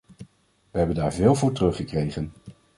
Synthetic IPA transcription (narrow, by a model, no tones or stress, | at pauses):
ʋəɦɛbəndaːɹvɪːlˠvʊːɹtrɵχəkrejχən